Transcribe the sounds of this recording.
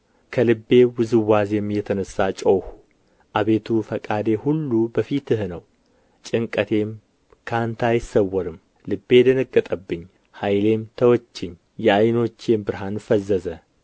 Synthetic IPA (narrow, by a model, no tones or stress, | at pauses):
kʰəlɨbːe̞wɨzɨwːazjɛmːijɛt̪ʰənəsːat͡ʃʼowhu̥ | ʔaβe̞t̪ʰufəkʼad̪e̞hulːubəfit̪ɨhnəw | t͡ʃʼɪŋkʼət̪ʰe̞m | kʰant̪ʰajɪsːəwːɔɾɨm | lɨbːe̞d̪ənəkʼːət̪ʼəbːɨɲː | hajle̞mt̪ʰəwɔt͡ʃːɪɲː | jɛajno̞t͡ʃːe̞mbɨɾɦanfəzːəzə